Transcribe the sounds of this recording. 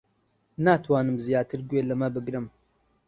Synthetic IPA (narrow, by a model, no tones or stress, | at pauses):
naːtʰwaːnɨmzijaːtʰɨɾɡʷeːlɐmɐbɨɡɾɨm